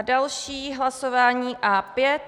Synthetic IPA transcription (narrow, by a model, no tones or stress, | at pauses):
dalʃiːɦlasovaːɲiːʔaːpjɛt̪